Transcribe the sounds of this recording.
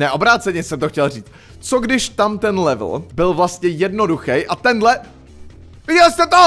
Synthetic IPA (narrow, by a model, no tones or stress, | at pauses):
nɛʔo̞bɾaːt͡sɛɲɛsɛmt̪oxcɛlriːt͡st̪ | t͡soɡdɪʃt̪amt̪ɛnlɛvl̩bɪlvlast̪ɲɛjɛdno̞duxɛjʔat̪ɛndlɛ | vɪɟɛlst̪ɛt̪o